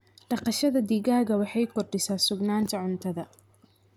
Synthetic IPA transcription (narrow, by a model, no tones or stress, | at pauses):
ɖɑqɑʃɐðɐd̪iːɣaːɣɐwɑħɑjkʰɔrɖɪsaːsʊɡnaːnt̪ʰɐʕʊnt̪ʰɐðɐ